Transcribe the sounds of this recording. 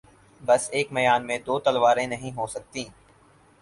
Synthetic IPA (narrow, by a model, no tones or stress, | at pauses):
bɐseːkmɐjaːnmẽd̪oːt̪ɐlʋaːɾẽnɐɦĩɦoːsɐk̚t̪ĩː